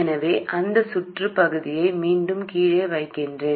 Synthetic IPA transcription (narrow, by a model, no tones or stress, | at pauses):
ɪnɐʋeːʔɐnd̪ɐsʊʈrɯpɐɣɯðɪjɐɪmiːɳɖɯmkiːɻeːʋɐɪkːɪndre